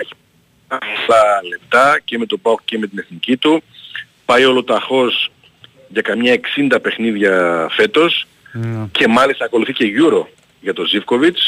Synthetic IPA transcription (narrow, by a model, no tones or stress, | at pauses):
eçi̥p | ɐsɐle̞pt̪ɐceme̞t̪o̞bɐkceme̞t̪ine̞θnicit̪u | pɐjo̞lo̞t̪ɐxo̞s | ʝɐkɐmɲɐe̞ksind̪ɐpe̞xniðʝɐfe̞t̪o̞s | ce̞mɐlist̪ɐːko̞luθice̞ʝuɾo̞ | ʝɐt̪o̞zifko̞vit͡s